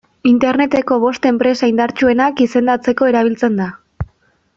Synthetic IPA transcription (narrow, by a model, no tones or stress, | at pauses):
int̪e̞ɾne̞t̪e̞ko̞β̞o̞st̪e̞mpɾe̞saind̪aɾt͡ʃue̞nakise̞nd̪at͡se̞ko̞e̞ɾaβ̞ilt͡send̪a